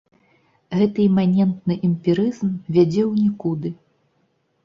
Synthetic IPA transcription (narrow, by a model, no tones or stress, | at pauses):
ɣɛt̪ɨɛmʲanʲɛnt̪̚nɨʔɛmʲpʲiɾɨzmvʲad͡zʲɛwnʲikud̪ɨ